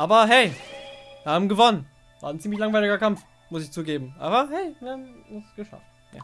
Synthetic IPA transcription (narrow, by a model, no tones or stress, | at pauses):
ʔaːbɐɦɛɪviːɐhaːbm̩ɡəvɔnən | v̥a̰ːɐnt͡siːmlɪçlaŋvaɪlɪɡɐkamf | mʊsɪçt͡suːɡeːbm̩ʔa̰ːbɐɦɛɪviːɐhaːmʊsɡ̥əʃa̰ft | ja̰ː